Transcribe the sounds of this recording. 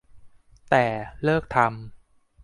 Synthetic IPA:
t̪ɛː˨˩lɤː˥˩k̚t̪ʰa˧m

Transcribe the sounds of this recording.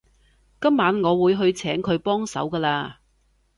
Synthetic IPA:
kɐ˥mːaː˨˥nŋɔː˨˧wuː˨˧jɦɵ˧ɥt͡sʰɛː˨˥ŋkʰɵ˨˧ɥpɔː˥ŋsɐ̰˨˥wkɐː˧laː˧

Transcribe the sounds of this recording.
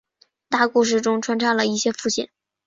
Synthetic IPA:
t̪a˥˧ku˥˧ʂ̬ɻ̩˥˩ʈ͡ʂʊ˥ŋʈ͡ʂʰwa˥nʈ͡ʂʰɑ˥lə˨i˥˩ɕjɛ˥fu˥˩ɕḭ˥˩˦n

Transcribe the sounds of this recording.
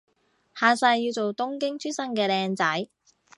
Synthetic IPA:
haː˨˧sɐ˧jːi˧wt͡so˨wt̪ʊ˥ŋkɪ˥ŋt͡ʃʰyː˥sɐ˥ŋkɛː˧lɛː˧ŋt͡sɐ˨˥j

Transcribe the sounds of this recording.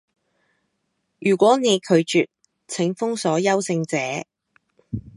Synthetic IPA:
jyː˨˩kʷɔː˨˥ne˨˧jkʰɵ˨˧ɥt͡ʃyː˨t̚ | t͡sʰɪ˨˥ŋfʊ˥ŋsɔː˨˥jɐ˥wsɪ˧ŋt͡sɛː˨˥

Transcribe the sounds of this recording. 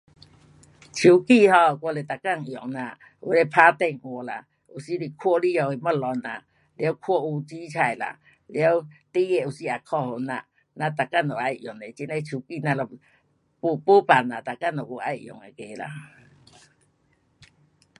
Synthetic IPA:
t͡ɕʰu˨ki˧˨hɔ˧˨kwɔ˧˨le˨t̪a˨ka˧˨ŋjɔ˨˩ŋnã˧˨ | ṵ˧˦le˧˦pʰa˧t̪e˧˨ŋʔwɔ˨la̰˨ | u˨si˧˦li˧˨kʰwɔ˧˦li˦ɔ˧˨e˨ma˦˧˨lɔ˧˦na̰˨ | ljwkʰɔ˧˦u˧t͡ɕi˦t͡ɕʰa˨jla̰˨ | ljwt̪i˦e˧˨u˨˩si˧a˨kʰɔ˧˨ho˨na̰˧˨ | nã˧t̪a˨ka˦˧˨nɔ˨a˧jʔjɔ˨˩ŋe˨t͡ɕi˧˦nle˧˦t͡ɕʰu˨˩ki˧˨nã˧lɔ˨ | pu˧˨pu˦pa˨na˨t̪a˨ka˦˨nɔ˨u˧˦˨a˧˨jʔjɔ̰˨ŋe˨ke˨la̰˨

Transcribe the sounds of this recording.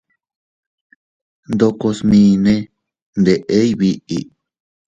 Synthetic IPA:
nd̪o˧ko˧smĩː˧nẽ˦ | nd̪e˨ʔe˦i˦βi˧ʔi˧

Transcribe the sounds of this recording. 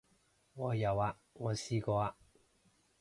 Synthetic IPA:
ŋɔː˨˧jɐ˨˧wa˧ | ŋɔː˨˧siː˧kɔː˧a˧

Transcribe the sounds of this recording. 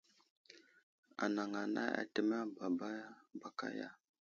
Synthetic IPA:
a̰˨na˨ŋa˨na̰˦a̰˨tə˦ma˦ba˨ba˦ba˨ka̰˦ja˦

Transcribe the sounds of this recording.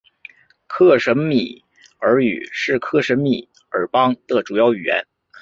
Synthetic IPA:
kʰɤ˥˩ʂə˧˥nmi˨˩˦ | ə˞˧˥y̰˨˩ʂɻ̩˥˩˧kʰɤ˥˩ʂə˧˥nmi˨˩˦ | ə̰˞˧˩˥pɑ˥ŋd̪ə˨ʈ͡ʂu˨˩jɑ˥˩ʊy˨˩jɛ̰˧˥n

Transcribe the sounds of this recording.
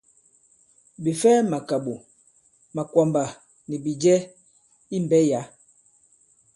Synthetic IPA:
bi˨fɛ˦ma˨ka˨ɓu˨ | ma˨kwa˨mba˨ | ni˨bi˨d͡ʒɛ˦ | i˦m˨bɛ˦ja˨˦

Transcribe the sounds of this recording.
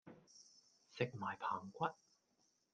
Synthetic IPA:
sɪ˨k̚maː˨˩jpʰa̰ː˨˩ŋkʷɐ˥t̚

